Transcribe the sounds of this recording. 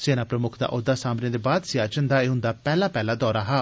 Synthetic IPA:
seːnaːpɾəmʊkʰd̪a̰ːʔod̪ːaːsaːmnẽːd̪eːbaːd̪siaːd͡ʒənd̪aːeːɦʊ̃nd̪aːpɛːlaːpɛːlaːd̪ɔːɾaːɦaː

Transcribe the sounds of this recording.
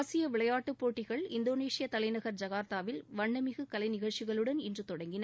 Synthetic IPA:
sɪjɐʋɪɭɐjaːʈːɯpːoːʈːɪɣɐɭɪnd̪oːneːʂɪjɐt̪ɐlɐɪnɐɣɐɾd͡ʒɐɣaːɾt̪aːʋɪlʋɐɳːɐmɪɣɯkɐlɐɪnɪɣɐɭt͡ʃɪɣɐɭɯɽɐnɪndrɯt̪ɔɽɐŋɡɪnɐ

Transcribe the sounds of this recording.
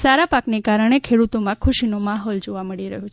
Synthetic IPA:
saɾapaknekaɾəɽ̃ekʰeɽut̪omãkʰuʃinomaɦɔld͡ʒoʋaməɭiɾəɦu

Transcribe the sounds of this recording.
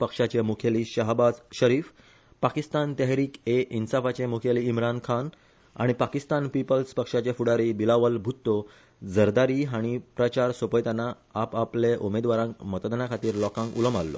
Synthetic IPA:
pəkʂat͡ɕemukʰeliːɕəɦbad͡zɕəɾiːf | pakist̪ant̪ɛɦɾiːkeʔinsafat͡ɕemukʰeliːmɾankʰan | a̰ɽ̃ipakist̪anpipəlspəkʂat͡ɕefuɽaɾibilaʋəlbʱut̪ːo | d͡zəɾd̪aɾiːɦaɽ̃ipɾət͡ɕaɾsopəjt̪anːaː | papleʔumed̪ʋaɾãŋkmət̪əd̪ənakʰat̪iːɾlɔkãŋkuləma̰lːo̰

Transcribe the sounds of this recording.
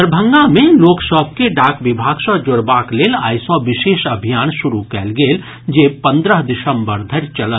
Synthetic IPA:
əɾbʱə̃ŋɡamẽloːkʃɔːp̚keɖaːkʋɪbʱaːɡsɔːd͡ʒʊɾbaːkleːla̰ːjsɔʋɪʃeːʃɐbʱijaːnʃʊɾukɛːlɡeːl | d͡ʒeːpɐ̃nd̪ɾəɦd̪ɪsə̃mbəɾd̪ʱɐɾt͡ʃɐlə

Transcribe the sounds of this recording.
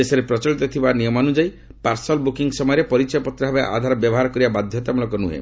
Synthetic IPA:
esɔɾepɾɔt͡ʃɔɭit̪ɔt̪ʰibanijɔmanud͡ʒai | paɾsɔlbukiŋɡsɔmɔjɔɾepɔɾit͡ʃɔjɔpɔt̪ːɾɔɦabeʔa̰d̪ʱaɾɔbjɔbɔɦaɾɔkɔɾibabad̪ʱjɔt̪amulɔkɔnuɦḛ

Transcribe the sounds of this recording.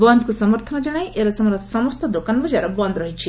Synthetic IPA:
bɔnd̪kusɔmɔɾt̪ʰɔnɔd͡ʒɔɽ̃ajʔeɾɔsɔmɔɾɔsɔmɔst̪ɔd̪okanbɔd͡ʒaɾɔbɔnd̪ʱɾɔɦit͡ʃʰi

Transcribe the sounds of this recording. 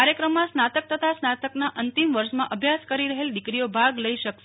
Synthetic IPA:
aɾjəkɾəmːãsnat̪ək̚t̪ət̪ʰasnat̪əknaʔənt̪imʋəɾʃmãʔəbʱjaskəɾiɾəɦeld̪ɪkɾijobʱaɡləiʃəkʃ

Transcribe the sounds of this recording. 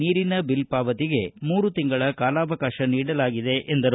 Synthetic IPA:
iːɾinɐbilpaːʋɐt̪iɡe̞muːɾut̪iŋɡɐɭɐkaːlaːʋɐkaːʃɐniːɽɐlaːɡid̪e̞ʔend̪ɐɾ

